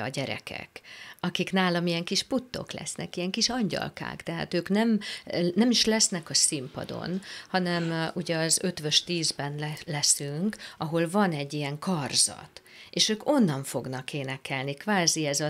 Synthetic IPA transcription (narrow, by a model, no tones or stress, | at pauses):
ɒ̰ɟɛɾɛ̰kʰɛ̰kɒkiknaːlɒmijɛŋkiʃput̪ːo̞̰klɛ̰snʔɛ̰kijɛŋkiʃɒɲɟɒ̰lka̰ːkt̪ɛɦa̰ːt̪øːknɛmnɛmiʃlɛsnɛkɒsimpɒ̰d̪o̞̰nhɒnɛmuɟɛɒzø̞t̪ʋøʃt̪iːzbɛnllɛsyŋkɒɦo̞lvɒnɛɟːijɛŋkɒrz̥ɒ̰t̪ | eːʃøːko̞nːɒɱfo̞ɡnɒkeːnɛkɛlnikʋaːziɛzɒ